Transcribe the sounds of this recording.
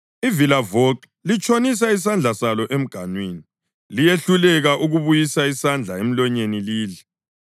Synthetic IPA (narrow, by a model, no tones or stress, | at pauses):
ivilavok | lit͡ʃʼonis̬ais̬and͡ɮʱasalɔʔem̩ɡ̥ʱanweːni | lijeɬulɛɣaʔuɣuβujisaisand͡ɮʱaem̩lɔɲeniliːlɛ